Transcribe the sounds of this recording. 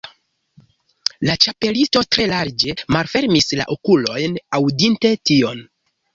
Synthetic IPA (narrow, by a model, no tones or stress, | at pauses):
lat͡ʃape̞listo̞tɾe̞laɾd͡ʒe̞malfe̞ɾmisla̰ʔokulo̞jnawdinte̞tio̞n